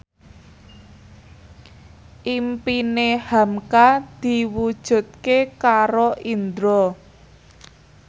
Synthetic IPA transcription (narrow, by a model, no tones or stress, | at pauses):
ʔimpinehamkad̪̥i̤wud̥ʒ̥ṳt̪̚kekaɾoʔind̪ɾɔ